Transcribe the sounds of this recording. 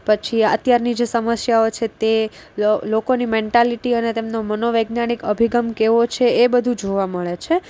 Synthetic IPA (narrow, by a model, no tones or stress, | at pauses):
pət͡ʃʰiə̰t̪jaɾnid͡ʒesəməsjaot͡ʃʰet̪e | lokonimẽɳʈaliʈiənet̪emnomənoʋeɡnaɽ̃ikəbʱiɡəmkeʋot͡ʃʰeebəd̪ʱud͡ʒoʋaməɭet͡ʃʰe